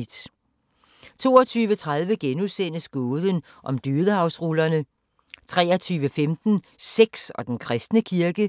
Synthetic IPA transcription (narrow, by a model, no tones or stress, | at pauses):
d̥ | t͡sʰo̝̰ːɒt͡sʰyːʋət͡sʰʁað̞ˠʋəɡ̥enusen̰əsɡ̥oːðˠənʔɒ̽md̥yːðˠəhɑ̈ʊsʁulɐnə | t͡sʰʁɛ̰ːɐt͡sʰyːʋəfemd̥n̩ | seɡ̥sɒ̽d̥enkʰʁɛsd̥nəkʰiɐɡ̥ə